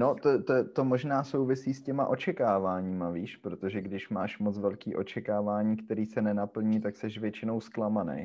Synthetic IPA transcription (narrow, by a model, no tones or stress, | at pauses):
not̪ot̪t̪omoʒnaːsowvɪsiːscɛma̰ʔo̞t͡ʃɛkaːvaːɲiːmaviːʃpɾot̪o̞ʒɛɡdɪʃmaːʃmot͡svɛlkiːʔo̞t͡ʃɛkaːvaːɲiːkt̪ɛɾiːsɛnɛnapl̩ɲiːt̪aksɛʃvjɛt͡ʃɪnowsklamanḛj